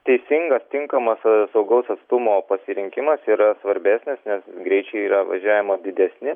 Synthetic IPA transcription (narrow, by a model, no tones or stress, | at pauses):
t̪ʲɛɪsʲɪŋɡɐst̪ʲɪŋkɐmɐssɐʊɡɐʊsɐt̪st̪ʊmoːpɐsʲɪɾʲɪŋʲkʲɪmɐsiːɾɐsʋɐɾʲbʲæːsʲnʲɪsnʲɛsɡɾʲɛɪt͡ʃʲɛɪiːɾɐʋɐ̰ʒʲæːʋʲɪmod̪ʲɪd̪ʲɛsʲnʲɪ